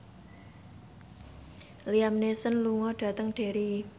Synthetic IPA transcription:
liamnesənluŋɔɖ̥ä̤t̪əŋɖ̥e̤ɾi

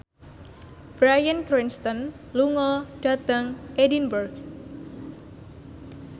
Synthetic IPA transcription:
b̥ɾajankɾinst̪ɔn | luŋɔɖ̥ad̪aŋʔedinbərɡ

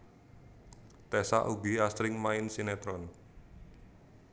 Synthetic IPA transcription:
t̪ɛsa̰ʔuɡiast̪ɾɪŋmaɪnsinɛt̪ɾɔn

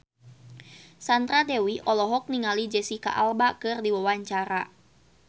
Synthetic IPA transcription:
sant̪ɾadɛwiʔɔlɔɦɔk̚niŋalid͡ʒɛsika̰ʔalbakɨrdiwawaɲt͡ʃaɾa

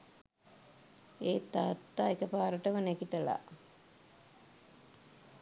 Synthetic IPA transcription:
eːt̪aːt̪ːaːekəpaːɾəʈəʋənækiʈəla̰

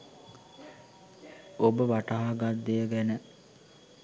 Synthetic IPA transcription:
obəʋaʈaɦaɡad̪ːejəɡɛnə

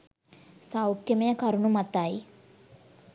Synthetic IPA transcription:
sawkjəmejɐkɐɾuɳumɐt̪aj

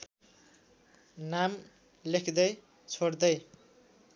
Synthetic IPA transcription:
nam | lekʰd̪ʌj | t͡sʰoɽd̪ʌj

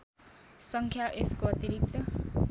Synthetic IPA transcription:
sʌŋkʰjaʔeskoʌt̪iɾik̚t̪ʌ

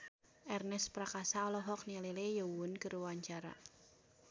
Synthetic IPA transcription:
ʔɛrnɛspɾakasaɔlɔɦɔk̚nililejowʊnkərwaɲt͡ʃaɾa̰

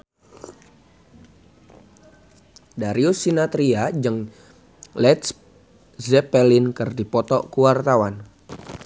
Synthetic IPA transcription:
daɾiusːinat̪ɾiad͡ʒəŋ | lɛt̪s | zɛpɛlinkɨrdipɔt̪ɔkuwart̪awan

